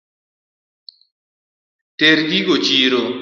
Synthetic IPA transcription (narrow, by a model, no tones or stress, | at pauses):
teɾd̪iɡot͡ʃiːɾo